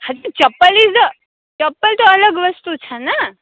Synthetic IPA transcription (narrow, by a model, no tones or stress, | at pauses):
had͡ʒit͡ʃɐpːəlid͡zə | t͡ʃɐpːəlt̪oələɡʋəst̪ut͡ʃʰana